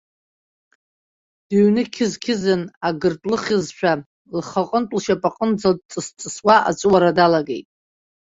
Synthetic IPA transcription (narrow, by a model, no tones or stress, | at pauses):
d̥iɥnɨkʲʰɪzkʲʰɪzɨnaɡɨrtʷʼlɨχʲɪzʃʷʰᶣa | lχaqʼəntʷʼlʃapʼaqʼənd͡zat͡sʼɨst͡sʼɨswaʔa̰t͡ʃʷʼwaɾadalaɡe̞̰jtʼ